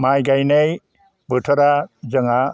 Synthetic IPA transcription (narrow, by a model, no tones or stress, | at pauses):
majɡajnej | bɯtʰɔɾad͡ʒɯŋa